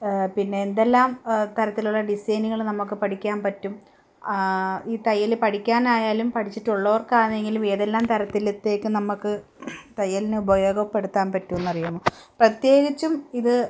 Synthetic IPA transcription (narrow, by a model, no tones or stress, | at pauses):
pinːe̞ːnd̪elːaːmt̪ɐɾɐt̪ːiluɭːɐɖisɐjniɣɐɭnɐmːuk̬ːɨpɐʈikʲːaːnpɐtːum | iːt̪ɐjːɐlɨpɐʈikʲːaːnaːjaːlumpɐʈʰit͡ɕːiʈːuɭːɐʋɐrkaːɻɐne̞ŋɡilumeːðelːaːmt̪ɐɾɐt̪ːilit̪ːe̞ːkːɨnɐmːukːɨ | t̪ɐjːɐlinɨubɐjo̞ːɡɐpːe̞ɽut̪ːaːnpɐtːuenːɐrijumːoːprɐt̪je̞ːɣit͡ɕːumiðɨ